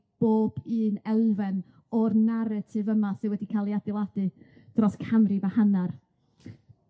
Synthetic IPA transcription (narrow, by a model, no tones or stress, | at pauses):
b̥oːb̥ɨːnɛlˠvɛn | ɔrnaɾatʰɪvəmasɨwɛdikʰaːlˠiadɪlˠad̥ɨ | d̥rɔskʰamrivahanar